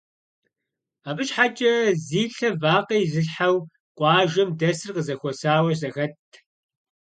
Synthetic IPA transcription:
aːbɨʃħat͡ʃʼɐziːɬɐvaːqɐjzɨɬħaw | qʷʼɑːʒɐmdɐsɨrqəzɐxʷɔsaːwɐzɐxɐtʰ

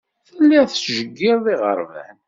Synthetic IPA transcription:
θəlːiθʒəɡːɪɾðˤiʁə̰ɾˤvæ̰n

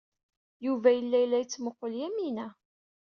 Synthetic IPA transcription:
juvæjəlːæjlːæjət͡sːməqːəljæminæ

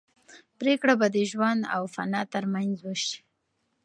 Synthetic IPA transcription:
pɾekɽabad̪əʒwand̪a̰wfa̰nɑt̪əɾmanzwəʃi̥

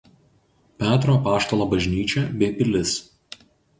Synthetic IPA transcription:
pʲæːt̪ɾoːpɑːʃt̪olˠoːbɐʒʲnʲiːt͡ʃʲɛbʲɛɪpʲɪlʲɪs

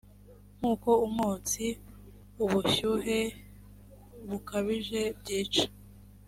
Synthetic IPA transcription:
m̥uːkoumot͡si | uβuçuɦe | βukaβiʒe̞b̚ɟiːt͡ʃḁ

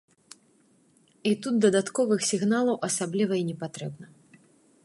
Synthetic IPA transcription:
it̪ud̪̚d̪ɐd̪at̪kɔvɨxsʲiɣnalˠɐwʔɐsablʲivɐinʲɛpat̪ɾɛbnɐ

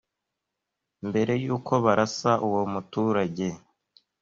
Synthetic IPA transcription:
mbe̞ɾe̞juːkʰo̞βaɾasaʔuwo̞mutuːɾaɟe̞

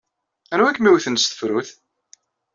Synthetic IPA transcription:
ænuwækːmiwθənst̪ə̥fɾʊθ

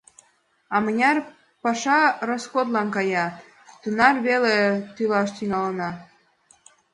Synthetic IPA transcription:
ɑmənʲɑr | pɑʃɑrosxod̪lɑnkɑjɑ | t̪unɑrβelet̪ylɑʃt̪iŋɑlənɑ

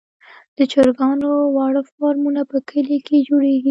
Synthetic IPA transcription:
d̪̥ət͡ʃəɾɡɑnowɑɽəfɑɾmunapəkʰəliked͡ʒoɽeɡi

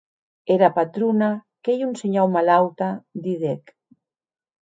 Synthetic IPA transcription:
eɾapat̪ɾuna | kejunseɲawmalawt̪ad̪iðek

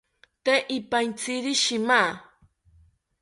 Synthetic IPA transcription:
t̪eʔipant͡siɾiʃima

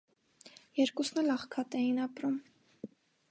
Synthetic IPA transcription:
jɛɾkusnɛlɑχkʰɑt̪ɛjinɑpɾum

